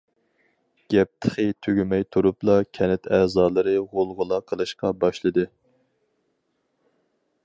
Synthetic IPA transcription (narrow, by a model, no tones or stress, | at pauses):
ɡ̥ʲɛp̚t̪ʰə̥χət̪ʰøɡʲymɛjt̪ʰuɾuplˠɑkʲʰɛnɪt̪ʰæzɑːlˠɨɾɨʁolˠʁʊlˠɑqʰəlˠɨʃqɑbɑʃlˠɨd̪ɨ